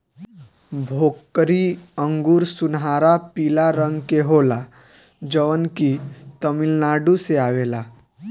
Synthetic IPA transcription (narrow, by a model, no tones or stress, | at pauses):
bʱokːəɾiəŋɡuːɾsunɦaɾapilaɾəŋɡkeɦola | d͡ʒəʋənkit̪əmilnaɖuseaʋela